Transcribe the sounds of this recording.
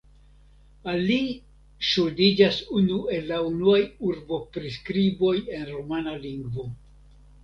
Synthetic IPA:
ali | ʃudid͡ʒasunue̞lːaunuajuɾbo̞pɾiskɾibo̞je̞nɾomanaliŋɡvo̞

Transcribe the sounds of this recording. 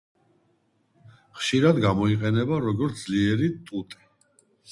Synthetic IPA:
χʃiɾad̪ɡamɔiqʼɛnɛbaɾɔɡɔɾt̪ʰdz̥liɛɾit̪ʼut̪ʼi̥

